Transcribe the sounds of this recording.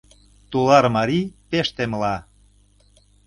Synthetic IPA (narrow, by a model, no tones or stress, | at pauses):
t̪ulɑɾmɑɾipeʃt̪eməlɑ